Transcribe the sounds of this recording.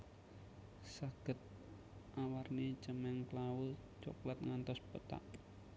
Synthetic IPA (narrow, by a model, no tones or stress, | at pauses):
saɡ̥ə̤t̪̚ | ʔawarnit͡ʃəmɛŋklawʊlt͡ʃɔ̰klat̪̚ŋant̪ɔspət̪a̰ʔ